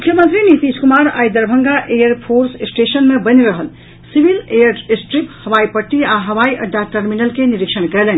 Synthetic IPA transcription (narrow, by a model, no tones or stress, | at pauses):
mukʰjəmənt̪ɾinit̪iskumaɾajd̪əɾbʱəŋɡaʔejəɾpʰoɾssʈesənmebəneɾəɦəl | sibilejəɾsʈɾiphəʋaipəʈːiaɦəʋaiʔəɖʱːaʈəɾminəlkeniɾikʃənkɛlɛn